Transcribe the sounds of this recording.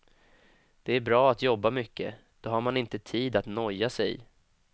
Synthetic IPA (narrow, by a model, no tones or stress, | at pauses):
d̪̥ɛæɾbɾɑːat̪jɔbːamʏkːə̰ | d̪̥ɔɦaɾmanɪnt̪ət̪ʰiːd̪at̪nɔjːasɛ̰j